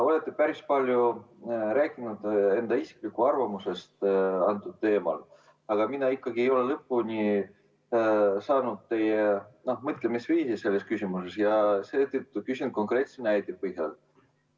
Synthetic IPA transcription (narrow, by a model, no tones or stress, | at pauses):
o̞le̞t̪ˑːepæɾispɑlʲjuɾæːkːˑinud̪̥e̞nd̪̥ɑisi̥klikːuɑrvɑmuse̞st̪ɑnt̪ːˑud̪̥̚t̪e̞ːmɑ̰l | ɑɡ̥ɑminɑikːɑɡiejo̞lelɤpːunʲi | sɑːnud̪̥̚t̪e̞jeno̞hmɤt̪ˑlemisviːsise̞lːe̞skysʲimuse̞sjɑset̪ːyt̪ːukysʲind̪̚ko̞ŋkre̞t̪senæjt̪ipɤhjɑ̰l